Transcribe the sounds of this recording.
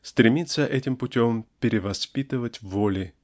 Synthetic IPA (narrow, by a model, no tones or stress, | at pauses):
st̪ɾʲɪmʲit̪səʔɛtʲɪmpʊtʲompʲɪɾʲɪvɐspʲit̪ɨvətʲvolʲɪ